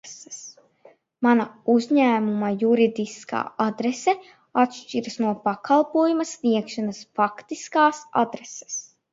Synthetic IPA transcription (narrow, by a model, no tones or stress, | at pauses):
sɛ̥s | manauzʲɲæːmumajuɾid̪iska̰ːad̪ɾɛsɛ | at̪ʃt͡ʃiɾɐsnuɔpakalˠpuɔjumɐsniɛkʃanɐsfakt̪iskaːsa̰d̪ɾɛse̥s